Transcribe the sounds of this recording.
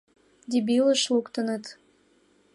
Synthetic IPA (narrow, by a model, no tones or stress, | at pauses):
d̪ʲibiləʃlukt̪ənət̪